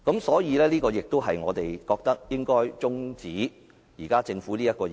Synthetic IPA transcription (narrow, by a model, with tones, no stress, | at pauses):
kɐ˨˥msɔː˨˥jiː˨˧lɛː˥liː˥kɔː˧jɪ˨k̚t̪o˥wɦɐ˨jŋɔː˨˧t̪e˨jkɔː˧k̚t̪ɐ˥k̚jɪ˥ŋkɔː˥jt͡sʊ˥ŋt͡siː˨˥ | jiː˨˩kaː˥t͡sɪ˧ŋfuː˨˥liː˥jɐ˥t̚kɔː˧